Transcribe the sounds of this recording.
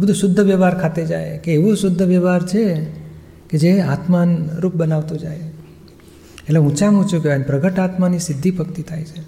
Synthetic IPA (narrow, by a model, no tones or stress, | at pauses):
bəd̪ʱũʃʊd̪ʱːəʋjɛʋaɾkʰat̪ed͡ʒa̰jkeːʋũsʊd̪ʱːəʋjɛʋaɾt͡ʃʰe | ked͡ʒeat̪manɾup̚bənaʋt̪ũd͡ʒa̰j | eʈleũt͡ʃamũt͡ʃũkeanpɾəɡəʈat̪manisɪd̪ʱːipəkt̪it̪ʰajt͡ʃʰe